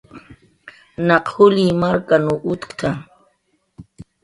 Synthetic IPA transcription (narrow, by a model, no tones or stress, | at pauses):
naqhʊlimaɾkanuʔʊt̪kt̪ʰa